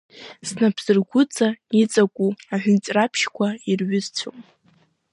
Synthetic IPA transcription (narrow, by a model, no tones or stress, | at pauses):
snapʰz̥ɨrɡʷʊt͡sʼait͡sʼakʷʼuaʕʷᶣʊnʼrapʰʃkʷʰairɥʏzt͡ɕʷʰo̰mʼ